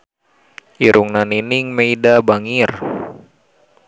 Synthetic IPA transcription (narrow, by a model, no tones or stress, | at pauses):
ʔiɾʔuŋnaniniŋmeidabaŋir